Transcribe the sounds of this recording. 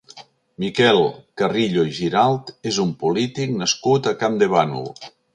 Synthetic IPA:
mikɛlˠkariʎoiʒiɾalˠt̪ezumpulit̪ik̚nəskut̪akamd̪eβanṵlˠ

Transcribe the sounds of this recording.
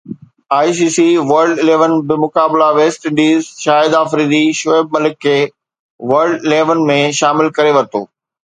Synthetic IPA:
aːis̬iːsiʋɐɾɖɪleːʋənbɪmʊkaːblaʋeːsʈɪ̃ɳɖiːzʃaːɪd̪aːfɾiːd̪iʃoeb̚mɐlɪkʰːeː | ʋɐɾɖɪleːʋənmẽʃaːmɪlkɐɾeʋɐɾɪt̪o̰ː

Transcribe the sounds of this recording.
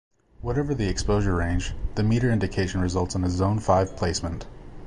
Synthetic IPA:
wʌɾɛvə˞ðiɨkspoʊʒə˞ɹẽɪ̃nd͡ʒðɨmiɾə˞ɪ̃ndɨkʰeɪʃn̩ɹɨzʌlˠtsnɨzõʊ̃nfaɪv̥pʰl̥eɪsmə̃nt

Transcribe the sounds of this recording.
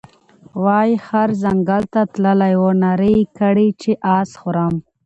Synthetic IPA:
wɑjxaɾzaŋɡalt̪at̪ləlajwonaɾəkəɽit͡ʃeʔɑːsxʊɾam

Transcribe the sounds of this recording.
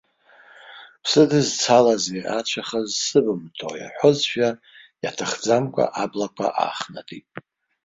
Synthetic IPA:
pʰsɨdɨzt͡sʰalazeʔat͡ʃʷʰaχazsɨbɨmtʰo̰ja̰ħʷʊzʃᶣa | jatʰaχd͡zamkʷʼa̰ʔablakʷʼʰa̰ʔa̰ːχnatʼitʼ

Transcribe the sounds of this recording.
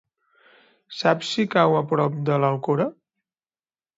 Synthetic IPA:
sapsikawəpɾɔp̚d̪ələlˠkoɾə

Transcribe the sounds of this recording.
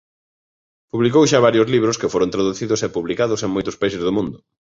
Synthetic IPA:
puβlikowʃaβaɾjozliβ̞ɾʊskɪfoɾõnt̪ɾaðuθiðʊsɛpuβlikaðʊseŋmojt̪ʊspaisezðomũnd̪ʊ

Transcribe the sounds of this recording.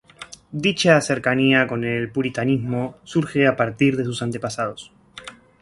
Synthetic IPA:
d̪it͡ʃase̞ɾkaniako̞nelpuɾit̪anizmo̞suɾxeapaɾt̪iɾðe̞s̬usant̪e̞pasað̞o̞s

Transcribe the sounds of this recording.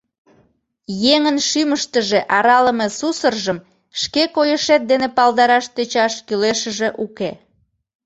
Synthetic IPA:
jeŋənʃyməʃt̪əʒeʔɑɾɑləmesusərʒəm | ʃkekojəʃet̪̚d̪enepɑld̪ɑɾɑʃt̪et͡ɕɑʃkyleʃəʒeʔuke

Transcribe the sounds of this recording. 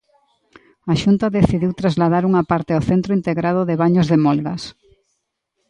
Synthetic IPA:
aʃunt̪aðeθiðiwt̪ɾazlað̞aɾuŋapaɾt̪ɪawθent̪ɾoint̪eɣɾaðoðeβaɲozðemɔlɣas

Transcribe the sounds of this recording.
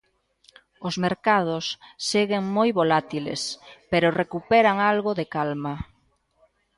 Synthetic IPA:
ʊzmeɾkað̞ʊsːeɣeŋmojβolat̪ilḛspeɾʊrekupɛɾaŋalɣoðekalma

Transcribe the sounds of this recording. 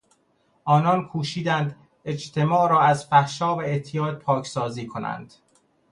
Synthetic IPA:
ʔɒːnɒːnkʰuːʃiːd̪ænd̪ | e̞d͡ʒt̪ʰe̞mɒːɾɒːæzfæhʃɒːbeet̪ʰːijɒːd̪̚pʰɒːcʰsɒːziːkʰonæ̰nd̪̥

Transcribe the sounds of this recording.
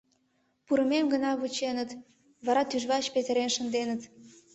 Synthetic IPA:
puɾəmemɡənɑβut͡ɕenət̪ | βɑɾɑt̪yʒβɑt͡ɕpet̪əɾenʃənd̪enət̪

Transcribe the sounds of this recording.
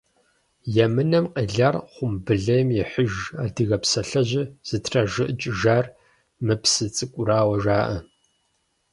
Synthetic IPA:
jɛmɨnɐmqʼiɮɐrχʷʊmbɨɮɐjmjɛħʊʒaːdɨɣɐpsɐɬɐʑɪz̥ɨtʰrɐʒɨʔt͡ʃʼʒaːr | mɨpsɨt͡sʼɨkʷʼʊɾaːwɐʒaːʔɐ

